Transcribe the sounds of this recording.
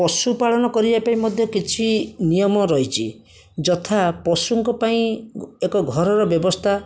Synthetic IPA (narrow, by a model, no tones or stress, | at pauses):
pɔsupaɭɔnɔkɔɾibapaĩmɔd̪ʱjɔkit͡ʃʰinijɔmɔɾɔɦit͡ʃʰi | d͡ʒɔt̪ʰapɔsuŋkɔpaĩekɔɡʱɔɾɔɾɔbjɔbɔst̪ʰa